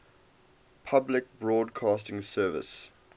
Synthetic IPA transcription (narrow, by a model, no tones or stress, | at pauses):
pʰablɪk̚bɹɔːdkʰɑːstɪ̃ŋsɜːvə̰s